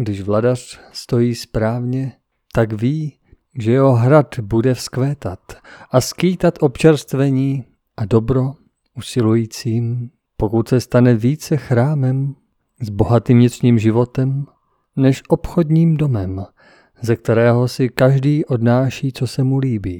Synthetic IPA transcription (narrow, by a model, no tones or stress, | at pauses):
ɡdɪʒvladar̥st̪o̞jiːspɾaːvɲɛ | t̪aɡviː | ʒɛjɛɦo̞ɦɾad̪budɛfskvɛːt̪at̪ʔaskiːt̪at̪ʔo̞pt͡ʃɛɾst̪vɛɲiː | ʔado̞bɾo̞ | usɪlujiːt͡siːm | po̞kut̪sɛst̪anɛviːt͡sɛxɾaːmɛm | zbo̞ɦat̪iːmɲɪt̪rɲiːmʒɪvo̞t̪ɛm | nɛʃʔopxodɲiːmdo̞mɛm | zɛk̚t̪ɛɾɛːɦosɪkaʒdiːʔo̞dnaːʃiːt͡sosɛmuliːbiː